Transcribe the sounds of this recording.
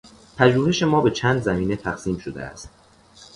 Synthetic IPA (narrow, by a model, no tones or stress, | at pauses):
pʰæʒuːhe̞ʃe̞mɒːbe̞t͡ʃʰæːnd̪zæmiːne̞t̪ʰæɣsiːmʃod̪ḛʔæ̰st̪̚